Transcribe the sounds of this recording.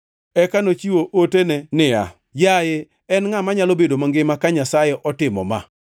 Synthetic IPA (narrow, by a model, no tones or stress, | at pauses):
ɛkanot͡ʃiwoʔotenɛnɪa̰ | jaje | ɛnŋamaɲalobedomaŋɡɪmakaɲasajeʔɔtɪmɔ̰ma̰